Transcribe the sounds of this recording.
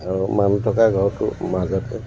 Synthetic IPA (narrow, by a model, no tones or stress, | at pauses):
aɹumantʰɔkaɡʱɔɹtʊ̰mazɔtɛ